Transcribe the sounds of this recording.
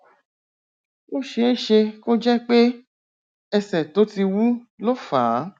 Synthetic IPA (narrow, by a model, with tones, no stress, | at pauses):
o˦ʃe˧˦e˦ʃe˧ko˦d͡ʒɛ˦k͡pe˦ | ɛ˧sɛ˨to˨˦ti˧wu˦lo˦faː˨˦